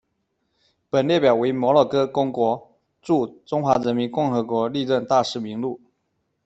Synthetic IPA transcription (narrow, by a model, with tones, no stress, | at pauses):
pə˨˩nljɛ˥˩pjɑ˨˩ʊwe˧˥ɪmwɔ˧˥lɔ˨˩kɤ˥kʊ˥ŋkwɔ˧˥ | ʈ͡ʂu˥˩ʈ͡ʂʊ˥ŋxwa˧˥ɻə˧˥nmi˧˥nkʊ˥˩ŋxɤ˧˥kwɔ˧˥li˥˧ɻə˥˧nt̪a˥˧ʂɻ̩˥˩mi˧˥ŋlu˥˩